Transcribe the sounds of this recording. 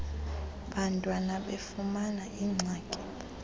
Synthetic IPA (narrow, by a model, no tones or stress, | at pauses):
ɓantʼwanaɓefumanaʔiŋ͡ǀʱaːkʼi̥